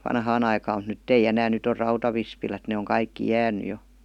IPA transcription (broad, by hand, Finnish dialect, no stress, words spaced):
ʋɑnhɑːn ɑikɑːm mut nytː ei enæːn nyt or rɑutɑʋispilæt ne oŋ kɑikːi jæːny jo